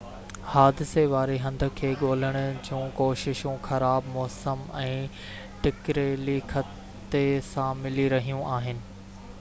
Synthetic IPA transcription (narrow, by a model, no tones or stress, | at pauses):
haːd̪ɪseʋaːɾeɦɐ̃nd̪ʱə̆kʰeːɠoːl̤əɽ̃ʊ̆d͡ʑũːkoːʃɪʃũxɐɾaːbmɔːsəmɛ̃ː | ʈɪkɾeːlixʰɐ | t̪esãmɪliɾɐɦijũʔaːɦɪnɪ̆